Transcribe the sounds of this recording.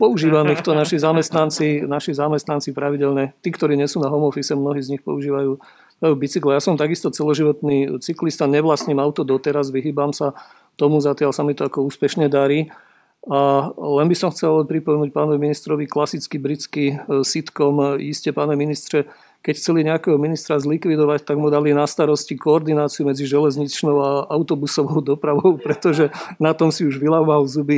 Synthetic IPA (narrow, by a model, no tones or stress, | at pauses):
pɔuʒiːʋanixt̪ɔnaʃizamɛst̪nant͡sinaʃizamɛst̪nant͡sipɾaʋiɟɛʎɲɛt̪iːkt̪ɔɾiːɲɛsuːnaɦɔmɔfisɛmnɔɦiːzɲixpɔ̰uʒiːʋajuː | ajuːbit͡siklɛjasɔmt̪aɡist̪ɔt͡sɛlɔʒiʋɔt̪niːt͡siklist̪aɲɛʋlasɲimaʊt̪ɔd̪ɔt̪ɛɾazʋiɦiːbamsa | t̪ɔmuzat̪ɪalsamit̪ɔakɔuːspɛʃɲɛd̪aɾiː | alɛnbisɔmxt͡sɛlpɾipɔmɛnuːc̚paːnɔʋiminist̪ɾɔʋiklasit͡skibɾit͡skisit̪kɔmiscɛpaːnɔʋiminist̪ɾɛ | kɛcxt͡sɛliɲɛakɛɦɔminist̪ɾazlikʋid̪ɔʋact̪aɡmud̪alinast̪aɾɔscikɔːɾd̪inaːt͡siumɛd͡ziʒɛlɛzɲit͡ʃnɔʊaaʊt̪ɔbusɔʋɔʊd̪ɔpɾaʋɔʊpɾɛt̪ɔʒɛnat̪ɔmsiuʒʋilaʊmalzubi